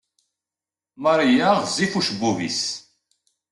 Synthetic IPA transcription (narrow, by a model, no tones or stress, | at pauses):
maɾijaʁzifuʃbuvḭs